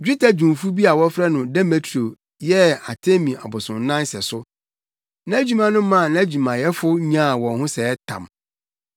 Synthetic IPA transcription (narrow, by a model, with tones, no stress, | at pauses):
d͡ʑᶣi˦tʰa˦d͡ʑũ˨mfu˦bi˦a˨wɔ˦fɾɛ˦nʊ̃˨dɛ˦me˨tʰo˨ | jɛ˦a˨tʰẽ˦mĩ˨a̰˨bʊ˨sʊ̃˨n˦nã˦nsɛ˨sʊ˦ | nã˦æ˦d͡ʑu˨mã˦nʊ̃˦mã˦˨nã˦e˦d͡ʑu˨mã˨jɛ˦fʊ˦ɲ˦ã˦˨wɔ̃˨nhʊ̃˦sɛ˨ɛ˦tʰã̰˨m